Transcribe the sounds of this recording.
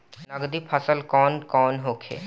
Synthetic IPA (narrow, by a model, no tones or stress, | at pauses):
nəɡd̪iːpʰəsəlkɔːnkɔːnɦoːkʰḛː